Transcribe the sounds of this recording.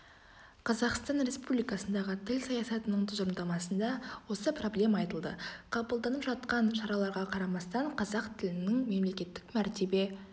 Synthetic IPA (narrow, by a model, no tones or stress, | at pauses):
qʰɑzɑqst̪ɑnɾe̞spublijkɑsənd̪ɑʁət̪ʰɪlsɑjɑsɑt̪ənəɴt̪ʰʊzɾnd̪ɑmɑsənd̪ɑwo̞səpro̞blʲe̞mɑːɑjt̪əlˠd̪ə̰qʰɑbəlˠd̪ɑnəpʒɑt̪̚qɑnʃɑɾɑlˠɑɾʁɑqʰɑɾɑmɑst̪ɑɴqʰɑzɑqt̪ʰɪlɪnɪŋme̞mle̞kʲe̞t̪ːɪkmæɾt̪e̞be̞